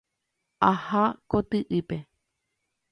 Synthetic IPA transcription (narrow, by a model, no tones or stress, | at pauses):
ahakot̪ɨʔɨpe